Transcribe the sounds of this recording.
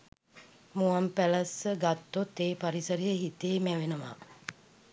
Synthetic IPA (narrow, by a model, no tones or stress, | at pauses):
muampæləsəɡat̪ːot̪ːeːpaɾisəɾijəɦit̪eːmæʋenəʋa̰ː